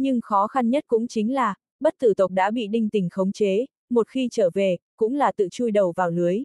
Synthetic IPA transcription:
ɲɨ˧ŋxɔ˨˦xa˧nɲə˦˥t̚kʊ̰˧˥ŋ͡mt͡ɕï˨˦ŋ̟laː˨˩ | ɓə˦˥t̚t̪ɨ˧˩t̪ə˨˩wk͡p̚ɗa̰ː˧˥ɓḭ˧˨ɗï˧ŋt̪ï˨˩ŋ̟xə˨˦wŋ͡mt͡ɕe˨˦ | mo˨˩t̚xi˧t͡ɕəː˧˩ve˨˩kʊ̰˧˥ŋ͡mlaː˨˩t̪ɨ̰˧˨t͡ɕu˧jɗə˨˩wvaː˨˩wlɨ˨˦əj

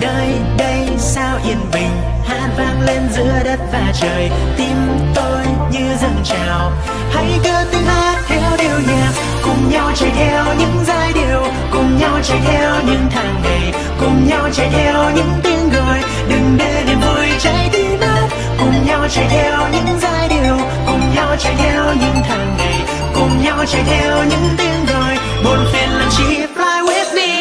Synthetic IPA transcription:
ɗə˧j | ɗə˧j | saː˧wʔi˧˩ənmï˨˩ŋ̟ | haː˧˥t̚vaː˧nle˧nzɨ̰˧˥əɗə˦˥t̚vaː˨˩t͡ɕəː˨˩j | t̪i˧m | t̪o˧j | ɲɨ˧zə˧nt͡ɕaː˨˩w | hə˧˦˥jkəː˧˦t̪i˧ŋhaː˦˥t̚t̪ʰɛ˧wɗi˨˩əwɲa˨˩t̚ | kʊ˨˩ŋ͡mɲa˧wt͡ɕə˧˩ʔɛ˧wɲɨ̰˧˥ŋzaː˧jɗi˨˩əw | kʊ˨˩ŋ͡mɲa˧wt͡ɕə˧˩ʔʰɛ˧wɲɨ̰˧˥ŋt̪ʰaː˨˩ŋmə˨˩j | kʊ˨˩ŋ͡mɲa˧wt͡ɕə˧˩jt̪ʰɛ˧wɲɨ̰˧˥ŋt̪i˧ənɣəː˨˩j | ɗɨ˨˩ŋɗe˧˨˩mɨ˧˩jt͡ɕə˧˥jɗ̪i˧˦nə˦˥t̚ | kʊ˨˩ŋ͡mɲa˧wt͡ɕə˧˩jʔ̪ʰɛ˧wɲɨ̰˧˥ŋzaː˧jɗi˨˩əw | kʊ˨˩ŋ͡mɲa˧wt͡ɕə˧˩jt̪ɛ˧wɲɨ̰˧˥ŋt̪ʰaː˨˩ŋna˨˩j | kʊ˨˩ŋ͡mɲa˧wt͡ɕə˧˩jt̪ɛ˧wɲɨ̰˧˥ŋt̪i˧ənɣəː˨˩j | ɓo˨˧˩ənfi˧ənla˨˩t͡ɕi˧˥flaː˧jwɛ˦˥t̚ɗi˧

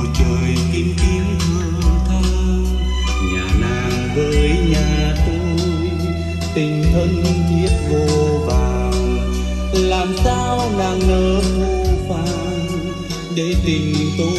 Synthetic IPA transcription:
t͡ɕəː˨˩jk̪i˧nk̪i˧˦ənzɨ˨əət̪ʰaː˧ | ɲa˨˩naː˨˩jvəː˨˩ɲaː˨˩t̪o˧j | t̪ï˨˩ŋ̟ɦə˧n˧zi˧˥ət̚vəː˨˩vaː˨˩ww | laː˨˩msaː˧wlaː˨˩ŋnəː˨˦ku˧˦kwaː˧˦ | ɗe˧˦t̪ï˨˩ŋ̟t̪o˧

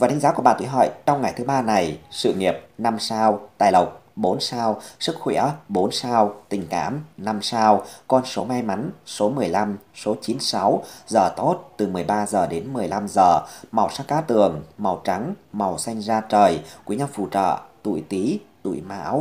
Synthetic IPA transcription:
vaː˨˩t̪ʰa˨˦ŋzaː˨˦ku˧˩ɓa̰ː˧˨t̪ṵ˧˨ɦə̰ː˧˨jt͡ɕɔ˧wŋ͡mŋa˨˩jt̪ʰɨ˨˦ɓaː˧na˨˩jsɨ̰˧˨ŋi˨˩əp̚na˧msaː˧wt̪a̰ː˧˨jlə˨˩wk͡p̚ɓo˨˦nsaː˧wsɨ˦˥k̚xwḭ˧˩əɓo˨˦nsaː˧wt̪ï˨˩ŋ̟ka̰ː˧˥mna˧msaː˧wkɔ˧nso˨˦ma˧jma˨˦nso˨˦mɨ˨˩əjla˧mso˨˦t͡ɕi˨˦nsa˨˦wzəː˨˩t̪o˦˥t̚t̪ɨ˨˩mɨ˨˩əjɓaː˧zəː˨˩ɗe˨˦nmɨ˨˩əjla˧mzəː˨˩ma˨˩wsaː˦˥k̚kaː˨˦t̪ɨ˨˩əŋma˨˩wt͡ɕa˨˦ŋma˨˩wsa˧jŋ̟zaː˧t͡ɕəː˨˩jkwɲa˧mfṵ˧˨t͡ɕə̰ː˧˨t̪ṵ˧˨jt̪i˨˦t̪ṵ˧˩˨jma̰ː˧˥w

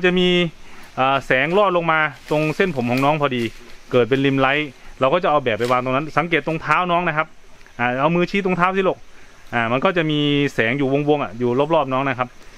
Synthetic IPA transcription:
t͡ɕa˨˩ʔmiː˧ʔaː˨˩sɛː˩˦ŋlɔː˥˩t̪̚lo˧ŋmaː˧t̪o˧ŋse˥˩npʰo˩˦mhʰɔː˨˩˦ŋnɔː˦˥ŋpʰɔː˧diː˧kɤː˨˩t̪̚pe˧nli˧mla˦˥jɾa˧wkɔː˥˩t͡ɕa˨˩ʔa˧wbɛː˨˩p̚ːa˧waː˧ŋt̪o˧na˦˥nsa˨˩˦ŋkeː˨˩t̪ːo˧ŋt̪ʰaː˦˥wnɔː˦˥ŋna˦˥kʰa˦˥p̚ʔaː˧˩ʔa˧wmɯː˧t͡ɕʰiː˦˥t̪o˧ŋt̪ʰaː˦˥˩w̪ʰiː˥˨lo˨˧˩k̚ | ʔaː˧˩ma˧nkɔː˥˩t͡ɕa˨˩ʔmiː˧sɛː˩˦ŋjuː˨˩wo˧ŋwo˧ŋʔa̰˨˩juː˨˩lo˦˥˩p̚lɔː˥˩p̚nɔː˦˥ŋna˦˥˩kʰa˦˥p̚

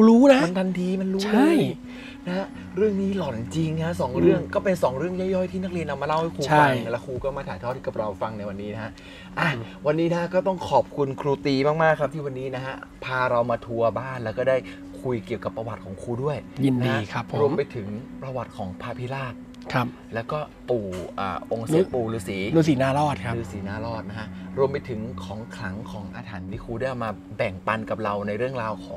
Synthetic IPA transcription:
u˧ɾuː˦˥na˦˥ma˧nt̪ʰa˧nt̪ʰiː˧ma˧nɾuːt͡ɕʰalːj | na˦ha˦˥ʔ | ɾɯ˥˩əŋniː˦˥lɔ˨˩nt͡ɕi˧ŋnʰa˦˥sɔː˩˦ŋɾɯ˥˩əŋkɔː˥˩pe˧nsɔː˩˦ŋɾɯ˥˩əŋjɔː˥˩jɔː˥˩jt̪ʰiː˥˩na˦˥k̚li˧ənʔa˧mːaː˧la˥˩wha˥˩jkʰuː˧t͡ɕʰa˧˥a˧ŋlɛ˦˥kʰuː˧kɔː˥˩maː˥˩t̪ʰaː˨˩˦j̪ʰɔː˥˩t̪ʰːiː˥˩˧ɾa˧wfa˧ŋna˧jwa˧nːiː˦˥na˦ka˦˥ʔ | ʔa˧˩ | wa˧nːiː˦˥na˦a˥kɔː˥˩t̪ɔ˥˩ŋkʰɔː˨˩p̚kʰu˧nkʰɾuː˧t̪iː˧maː˥˩k̚maː˥˩k̚ʰːt̪ʰiː˥˩wa˧nːiː˦˥na˦˥kʰa˦˥pʰaː˧ɾa˧wmaː˧t̪ʰu˧ɐbaː˥˩nlɛː˦˥wkɔː˥˩daː˥˩j | kʰu˧jki˨˩əwka˨˩pːɾa˧wa˨˩t̪̚kʰɔː˩˦ŋkʰuː˧du˥˩əjji˧ndn˦iaː˧˥˧kʰa˦˥pʰːoɾu˧ə˦mpa˧jt̪ʰɯ˩˦ŋpɾa˧wa˨˩t̪̚kʰɔː˩˦ŋpʰaː˧˥pʰi˦˥laː˥˩t̪̚ | kʰa˦˥p̚lɛː˦˥wkɔː˥˩ | puː˨˩ʔa̰ː˨˩ʔo˧ŋse˦˧˦puː˧lɯː˦˥siː˩˦lɯː˧˩siː˩˦naː˦˥lɔː˥˩t̪̚kʰa˦˥lɯː˧˥siː˩˦naː˧˥˩ɾɔː˥˩t̪̚na˦˥kʰa˦˥ʔɾu˧əmpa˧jt̪ʰɯ˩˦ŋkʰɔː˩˦ŋkʰɾa˩˦ŋkʰɔː˩˦ŋʔa̰ː˧t̪ʰaː˩˦nt̪ʰiː˥˩kʰuː˧ɾa˥˩jʔa˨˩maː˧ | bɛ˨˩ŋpa˧nka˨˩p̚ɾa˧wna˧jɾɯ˥˩əŋɾaː˧wkʰɔː˩˦ŋ

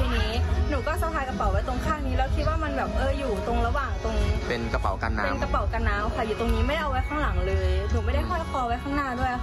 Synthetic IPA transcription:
t̪ʰiː˧niː˦˥nuː˩˦kɔː˥˩sa˨˦p̪ʰaː˧jka˧pa˨˩˦wa˦˥jt̪o˧ŋkʰaː˥˩ŋniː˦˥lɛː˧˥wkʰi˦˥t̪̚waː˥˩ma˧nbɛː˨˩p̚ʔɤː˧juː˨˩t̪o˧ŋɾa˧waː˨˩ŋt̪o˧ŋpe˧nka˧pa̰˩˦wka̰˧nːa̰˧eː˦˥nmka˧pa˨˩˦wka˧nːaː˦˥mkʰa˧˥˩juː˨˩t̪o˧ŋniː˦˥ma˥˩jjʔa˧wa˦˥jkʰaː˥˩ŋla˩˦ŋlɤː˧jnuː˨˦ma˥˩jda˥˩jkʰɔː˥˩la˧˩kʰɔː˧wa˦˥jkʰaː˥˩ŋnaː˥˩du˥˩əj

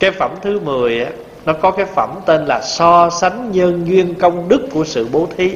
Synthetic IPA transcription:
kaː˨˦jfə̰˧˩mt̪ʰɨ˨˦mɨ˨˩əjʔaː˨˦ | nɔ˨˦kɔ˨˦kaː˨˦jfə˧˩mt̪e˧nlaː˨˩sɔ˧sa˨˦ŋ̟ɲə˧nɲwi˧ənkə˧wŋ͡mɗɨ˦˥kːu˧˩əsɨ̰˧˨ɓo˨˦t̪ʰi˨˦

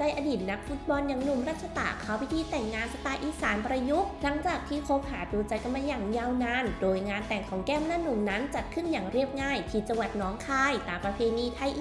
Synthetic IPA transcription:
t͡ɕa˧jʔaː˧diː˨˩t̪̚na˦˥k̚fu˦˥t̪̚bɔː˧nja˨˧˦ŋnu˧mɾaː˥˩t̪̚ʰa˧t̪a̰˨˩kʰaː˦wpʰi˦˥t̪ʰiː˧t̪ɛ˨˩ŋːaː˧nsa˧t̪aː˧jʔiː˧˩saː˨˩˦npɾa˧ju˦˥k̚la˩˦ŋt͡ɕaː˨˩k̚t̪ʰiː˧˥˩kʰo˦˥p̚haː˩˦duː˧t͡ɕa˧jka˧nma˧jaː˨˩ŋja˧wnaː˧ndoː˨˧jŋaː˧nt̪ɛ˨˩ŋkʰɔː˩˦ŋkɛː˥˩m˧naː˥nu˨˧˩mna˦˥nt͡ɕa˨˩t̪̚kʰɯ˥˩njaː˨˩ŋɾi˥˩əp̚ŋaː˥˩jkʰiː˨˩t̪̚t͡ɕa˧ŋwa˨˩t̪̚nɔː˨˦˥ŋkʰaː˧˥jt̪aː˨˩mpɾa˧pʰeː˧niː˧t̪ʰa˧jʔ

